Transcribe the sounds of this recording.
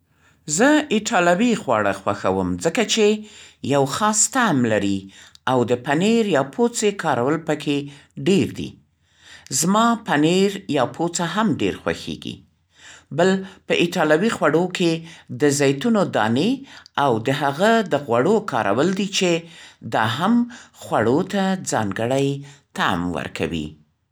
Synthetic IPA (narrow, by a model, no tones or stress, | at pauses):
zəɪʈʰɑlawixwɑ̰ɽa̰xwaxa̰wə̰mzəkat͡ʃejawxɑst̪amlaɾiawd̪əpaneɾjɑpʰot͡sekʰɑɾawəlpəkʰeɖeɾd̪ḭ | zmɑpaneɾjɑpʰot͡saɦamɖḛɾxwa̰xḛɡḭ | bəlpəʔɪʈɑlawixwaɽokʰed̪əzajt̪unod̪ɑ̰neawd̪əɦaɣad̪əɣwaɽokɑ̰ɾa̰wəld̪it͡ʃed̪ɑ̰ɦamxwaɽot̪ad͡zɑŋɡəɽajt̪a̰mwə̰ɾkʰa̰wḭ